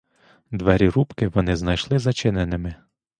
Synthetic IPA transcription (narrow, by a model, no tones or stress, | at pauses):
d̪ʋɛɾʲiɾupkɪʋɔnɪznɐjʃlˠɪzɐt͡ʃɪnenɪmɪ